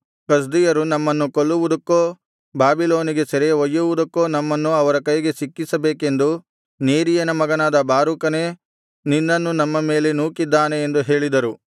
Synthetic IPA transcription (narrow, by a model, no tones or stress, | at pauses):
kɐs̬d̪ijɐɾunɐmːɐnːukoɭːuʋud̪ɐkːoː | baːbiloːniɡe̞sɐɾejɐʋɐjːuʋud̪ɐkːo̞ːnɐmːɐnːuɐʋɐɾɐkɐjɡe̞sikːisɐbeːke̞nd̪u | neːɾijɐnɐmɐɡɐnaːd̪ɐbaːɾukɐne̞ː | ninːɐnːunɐmːɐme̞ːle̞nuːkid̪ːaːne̞ːnd̪uɦe̞ːɭid̪ɐɾu